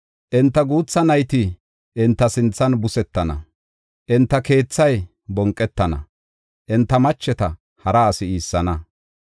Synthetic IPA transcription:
ʔɪnt̪ːɐɡuːt͡sːɐnɐjt̪ɪ | ʔɪnt̪ːɐsɪnt͡sːɐnbʊsɛt̪ːɐnɐ̰ | ʔɪnt̪ːɐke̞ːt͡sːɐj | bɔŋkʼːɛt̪ːɐnɐ̰ | ʔɪnt̪ːɐmɐt͡ʃːɛt̪ɐ | hɐɾɐːsɪiːsːɐnɐ

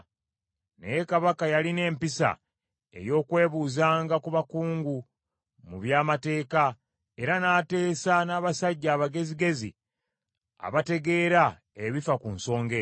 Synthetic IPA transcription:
nḛjekaβakajaline̞ːmpisa̰ | e̞̰jo̞ːkwe̞ːβuːzaːŋɡakuβakuːŋɡu | muβjaːmate̞ːka | e̞ɾanaːte̞ːsanaːβasaɟːaːβaɡe̞ziɡe̞zḭ | a̰βate̞ɡe̞ːɾa | e̞βifakunso̞ːŋɡe

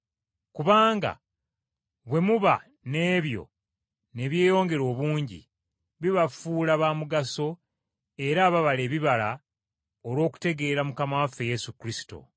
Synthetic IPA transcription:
kuβaːŋɡa̰ | βwe̞muβa | ne̞ːβjo̞̰ | ne̞βje̞ːjo̞ːŋɡe̞ɾo̞ːβuːɲɟḭ | βiβafuːlaβaːmuɡaso̞ | e̞ɾaːβaβale̞ːβiβala | oɾwo̞ːku̥te̞ɡe̞ːɾamukamafe̞je̞sukɾisi̥to̞̰

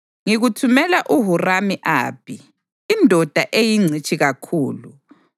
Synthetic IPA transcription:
ŋiɣutʰumɛlaʔuɦuramiʔa̰ːpʰiː | ndʱɔd̥ʱaʔejiŋ͡ǀʱit͡ʃʰʼiɣakʰuːlu

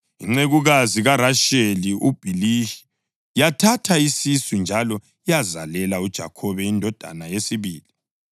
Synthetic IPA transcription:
iŋ͡ǀeɣuɣaziɣaraʃeliʔub̥ʱilii̥ | jatʰatʰaisisund͡ʒʱalɔ | ijazalɛlaud̥ʒ̥ʱa̰kʰɔβɛindʱɔd̥ʱa̰najesiβiːli

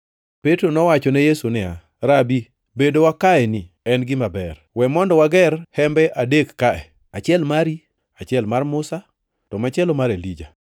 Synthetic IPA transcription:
petɾonɔwat͡ʃɔnɛjesunɪa̰ | ɾabi | bedowakaɛnɪ | ɛnɡɪmabɛr | wɛmɔndɔwaɡɛrhɛmbɛʔadekːaɛ̰ | at͡ʃɛlmaɾi | at͡ʃɪɛlmarmʊsa | tɔmat͡ʃɛlɔmaɾelid͡ʒa

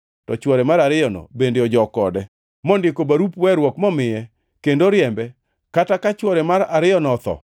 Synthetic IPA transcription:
tɔt͡ʃwɔɾɛmaɾaɾɪɔnɔ̰bendeɔd͡ʒɔkɔdɛ | mɔndɪkobaɾupwɛɾwɔkmɔmɪjɛ | kendoɾjɛmbɛ | katakat͡ʃwɔɾɛmaɾaɾɪjɔnɔt̪ɔ̰

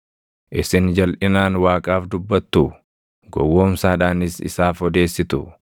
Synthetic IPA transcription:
ʔɪsɪnd͡ʒɐlʔɪnaːnwaːkʼaːfd̪ʊbːɐt̪ːu | ɡɔ̰wːo̞ːmsaːᶑaːnɪsɪ̰saːfɔd̪e̞ːsːɪt̪ʊ

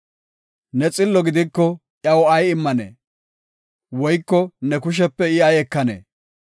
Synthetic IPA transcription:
nɛt͡sʼɪlːɔɡɪd̪ɪkːɔ | ʔjɐwɔɐjɪmːɐnḛː | wɔjkːɔnɛkʊʃ̬ɛpːɛɪɐjɛkːɐnḛː

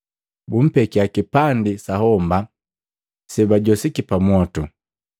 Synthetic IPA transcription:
bum̩pɛkiakipandisahɔmba | sɛbaɟɔsikipamwɔtu

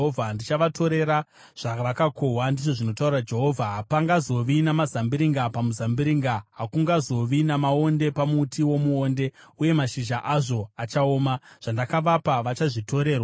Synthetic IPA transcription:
ovʱandit͡ʃaʋatʰo̞ɾe̞ɾa | ʐ̥aʋakakowandiʐo̞ʐino̞taurirad͡ʒe̞ɦo̞vʱaɦpaŋɡazo̞ʋinamazambiɾiŋɡapamuzambiɾiŋɡaɦakuŋɡazo̞ʋinamao̞nde̞pamutʰiwo̞muoːnde̞uje̞maʃiʒaʔaʐo̞at͡ʃaoːmaʐ̥andakaʋapaʋat͡ʃaʐito̞ɾe̞ːrwa

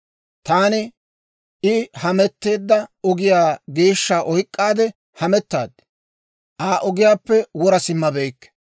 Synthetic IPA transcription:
t̪aːnɪ | ʔɪhɐmɛt̪ːe̞ːd̪ːɐɔɡɪjaːɡe̞ːʃːaːʔɔjkʼːaːd̪ɛ | hɐmɛt̪ːa̰ːd̪ɪ | ʔaːʔɔɡɪjaːpːɛwɔɾɐsɪmːɐbejkːɛ̥

